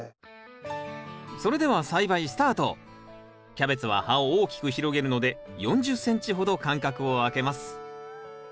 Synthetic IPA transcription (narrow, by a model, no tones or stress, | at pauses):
so̞ɾe̞d̪e̞βasaibaisɨ̥t̪aːt̪o̞̰ | kʲabe̞t͡sɨβ̞a̰haoːkʲi̥kɯ̟çiɾo̞ɡe̞ɾɯ̟no̞d̪e̞jõ̞ɲ̟d͡ʑɨsːẽ̞ɲ̟t͡ɕiɦo̞d̪o̞kãŋkakɯ̟o̞ake̞masɨ̥